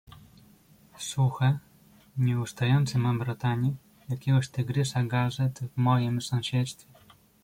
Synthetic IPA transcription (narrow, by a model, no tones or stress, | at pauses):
suxɛ | ɲɛust̪ajɔnt̪sɛmambɾɔt̪aɲɛ | jakʲɛɡɔɕt̪ɘɡɾɘsaɡazɛt̪vmɔjimsɔ̃w̃ɕɛt̪st̪fʲɛ